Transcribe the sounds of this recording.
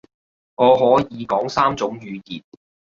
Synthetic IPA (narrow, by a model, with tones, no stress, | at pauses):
ŋɔː˨˧ɦɔː˨˥jiː˨˧kɔː˨˥ŋsaː˥mt͡sʊ˨˥ŋjyː˨˧jiː˨t̚